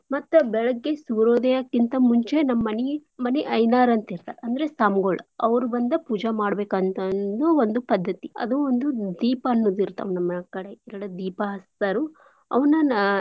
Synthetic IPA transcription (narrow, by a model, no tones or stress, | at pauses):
mɐt̪ːubɛɭɐɡːe̞suɾoːd̪ɐjakːint̪ɐmuɲt͡ʃe̞nɐmːɐnimɐneʔɐjnaːɾɐnt̪iɾt̪a̰ːɾeɐnd̪ɐɾesaːmɡoɭɐɐʋɐɾubɐnd̪ɐpuːd͡ʒamaːɽbeːkɐnt̪ɐnd̪uond̪upɐd̪ʱːɐt̪iɐ̰d̪uond̪ud̪iːpɐːnːoːd̪iɾt̪a̰ːʋnɐmːɐkɐɽe̞ɛɾɐɽɐd̪iːpɐɦɐsɐɾu | ɐ̰ʋɐnɐ